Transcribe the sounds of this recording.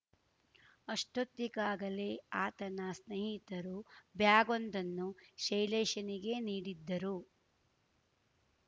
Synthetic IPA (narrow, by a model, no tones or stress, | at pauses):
ɐʂʈut̪ːikaːɡɐle̞aːt̪ɐnɐsnɐɦit̪ɐɾubjaːɡond̪ɐnːuʃɐjlɛːʃɐniɡe̞niːɽid̪ːɐɾu